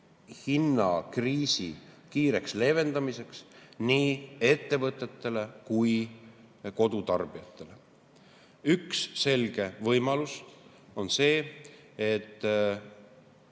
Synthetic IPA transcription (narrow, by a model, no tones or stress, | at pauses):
hinːɑkriːsḭ | kiːɾe̞ksle̞ːve̞nd̪̥ɑmise̞ksniːe̞t̪ːe̞vɤt̪ːˑet̪ːe̞le̞kuj | ko̞d̪̥ut̪ɑrb̥iɑt̪ːˑe̞le̞ | yksːe̞lɡ̥e̞vɤjmɑlust̪ | o̞nse̞ː | et̪ː